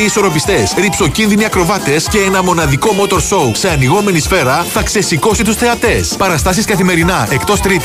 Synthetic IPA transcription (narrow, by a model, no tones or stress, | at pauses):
iso̞ɾo̞pist̪e̞sɾipso̞cinðiniɐkɾo̞vɐt̪e̞sce̞enɐmo̞nɐðiko̞mo̞t̪o̞ɾso̞use̞ɐniɣo̞me̞nisfe̞ɾɐθɐkse̞siko̞sit̪usθe̞ɐt̪e̞spɐɾɐst̪ɐsiskɐθime̞ɾinɐe̞kt̪o̞st̪ɾit̪